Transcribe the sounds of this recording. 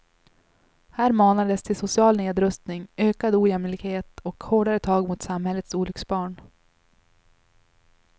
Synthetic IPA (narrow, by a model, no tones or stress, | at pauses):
hæːɾmɑːnad̪əst̪ʰɪlsʊsɪɑːlneːd̪ɾɵst̪nɪŋøːkad̪uːjɛmlɪɡheːt̪ɔkhoːɖaɾət̪ʰɑːɡmʊt̪samhɛlːət̪suːlʏksbɑːɳ